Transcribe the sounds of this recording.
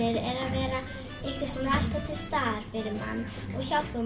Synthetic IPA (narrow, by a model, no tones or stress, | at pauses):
ɪɾɛɾaðvɛːɾa | ehkɪ̥sɛmaðal̥t̪at̪ʰɪlst̪aːɾ̥fɪɾɪɾma̰nː | ɔɣçawɾu